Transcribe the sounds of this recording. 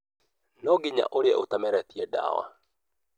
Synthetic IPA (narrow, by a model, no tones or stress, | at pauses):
nɔɡiɲa̰ʔoɾeɛʔot̪amɛɾɛt̪iɛda̰ːwa̰